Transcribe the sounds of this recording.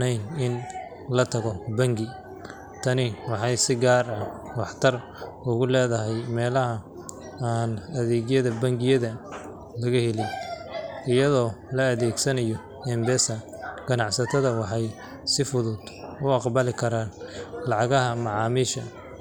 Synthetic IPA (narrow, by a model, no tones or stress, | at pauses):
nɛjnɪn | lɐt̪ʰɐɣɔbɐŋɡɪ | t̪ʰɐnɪwɑħɑjsɪɡaːrɐwɑħt̪ʰɐr | ʊɣʊlɛːðɐɦɛjmɛːlɐɦɐ | aːnɐðɛːɣjɐðɐbɐŋɡɪjɐðɐ | lɐɣɐhɛlɪj | ɪjɐðɔːlɐːðɛːɡsɐnɐjɔ | ɛmbɛːsɐ | ɡ̥ɐnɑʕsɐt̪ʰɐðɐwɑħɑj | sɪfʊðʊd̪̥ʊɑqbɐlɪkʰɐɾaːnlɑʕɑɣɐɦɐmɑʕɑːmiːʃɐ